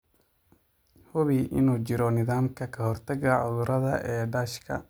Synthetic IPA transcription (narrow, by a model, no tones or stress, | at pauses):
hʊβiʔɪnuːt͡ʃɪɾɔnɪðaːmkʰɐkʰɐhɔrt̪ʰɐɡɐʕʊðʊɾʔɐðɐʔɛːɖɐːʃkʰɐ̰